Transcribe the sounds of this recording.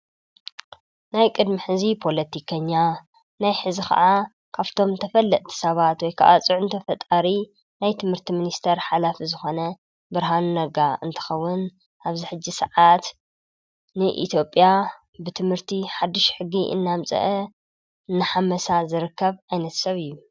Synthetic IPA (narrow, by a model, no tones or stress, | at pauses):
najkʼɨd̪miħɨzipʰo̞lɐt̪ʰikʰɐɲːa | najħɨzixɐ̰ʔa | kʰaβt̪ʰo̞mt̪ʰɐfɐlːɐʔt̪ʰi̥sɐβat̪wɔjkʰa̰ʔa̰t͡sʼɨʕʊnt̪ʰɐfɐt̪ʼaɾi | najt̪ʰɨmhɨɾt̪ʰiminist̪ʰeɾħalafizɨxo̞nɐ | bɨɾɦannɐɡaɨ̰nt̪ʰɨ̥xɐwːʊn | ʔaβziħɨd͡ʒːisɨʕat̪ | nɨʔḭt̪ʰjo̞pʼːja | bɨt̪ʰɨmhɨɾt̪ʰiħad̪ːɨʃħɨɡːiʔɨ̰nːamt͡sʼɐ̰ʔɐ | nːaħamɐsazɨɾɨkːɐβʔajnɐt̪sɐβɨjːu